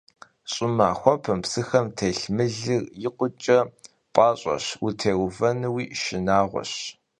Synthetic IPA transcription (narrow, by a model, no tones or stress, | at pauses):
ɕʼɪmaːxʷɔpʰɐmpsɨxɐmtʰeːɬmɨɮɨrjɪqʷʊt͡ʃʼɐ | pʼɑːɕʼɐ̰ɕwutʰeːwʊvɐnɨwiːʃɪnaːʁʷɔ̰ɕ